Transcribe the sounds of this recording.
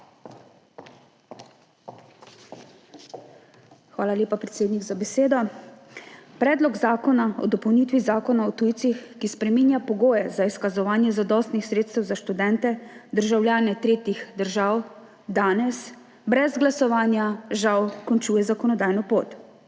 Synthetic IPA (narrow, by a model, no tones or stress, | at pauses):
xʋaːlaljeːpapɾɛt̪seːd̪niɡzabɛseːd̪ɔ | pɾɛːd̪lɔɡzaːkɔnaɔ̰d̪ɔpɔwniːt̪ʋizaːkɔnaɔt̪uːjt̪sixkispɾɛmiːnjapɔɡoːjɛzaiskazɔʋaːnjɛzad̪ɔst̪nixsɾeːt̪st̪ɛwzaʃt̪ud̪ɛnt̪ɛd̪əɾʒawlʲjaːnɛt̪ɾeːt̪ixd̪əɾʒaːw | d̪aːnɛs | bɾɛzɡlasɔʋaːnjaʒawkɔnt͡ʃuːjɛzakɔnɔd̪aːjnɔpoːt̪